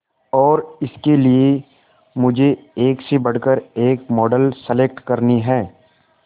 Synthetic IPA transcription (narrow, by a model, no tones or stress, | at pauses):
ɔːɾɪskelie | mʊd͡ʒʱeeːksebɐɽ̤kəɾeːkmɔːɖəlsəleːk̚ʈkɐɾniɦɛː